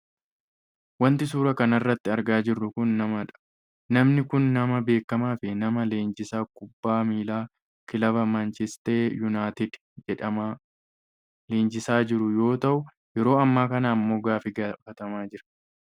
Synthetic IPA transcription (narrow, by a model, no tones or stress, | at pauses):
wɐnt̪ɪsuːɾɐkɐnɐrːɐt̪ːɪɐɾɡaːd͡ʒɪrːʊkʊnːɐmɐᶑɐ̥ | nɐmnɪkʊnːɐmɐbe̞ːkːɐmaːfɪnɐmɐle̞ːnd͡ʒɪsaːkʊbːaːmiːlaː | kɪlɐbɐmɐnt͡ʃɪst̪eːjʊnaːt̪ɪd̪ | d͡ʒɛᶑɐaː | leːnd͡ʒɪsaːd͡ʒɪɾʊjo̞ːt̪ɐʔʊ | jɛɾo̞ːɐmːaːkɐnaːmːo̞ːɡaːfɪɡafɐt̪ɐmaːd͡ʒɪɾɐ̥